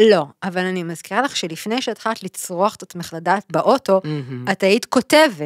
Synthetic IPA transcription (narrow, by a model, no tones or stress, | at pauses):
lo̞avalanimazkiʁalaχʃelifne̞jʃeatχat̪lit͡sʁoaχet̪at̪meχladatbeʔo̞to̞ataitko̞tevet